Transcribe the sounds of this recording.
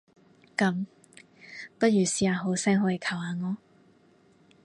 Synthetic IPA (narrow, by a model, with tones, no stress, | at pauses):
kɐ˨˥m | pɐ˥t̚jyː˨siː˨˥aː˨˧ɦo˨˥wsɛː˥ŋɦɔː˨˥ji˨˧kʰɐ˨˩whaː˨˧ŋɔː˨˧